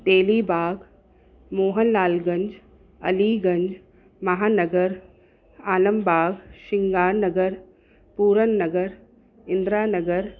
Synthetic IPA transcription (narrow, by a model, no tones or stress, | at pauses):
t̪eːliːbaːɡ | moːɦənːaːlɡɐ̃ɲd͡ʒ | ɐ̰liːɡɐ̃ɲd͡ʒ | mɐɦaːnəɡəɾ | aːləmbaːɡʃɪŋɡaːɾnəɡəɾ | puːɾənːɐɡəɾ | ɪnd̪ɾaːnəɡəɾ